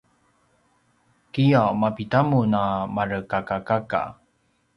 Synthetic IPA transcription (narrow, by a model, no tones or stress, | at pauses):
kijamapitamunamaɾəkakakaka̰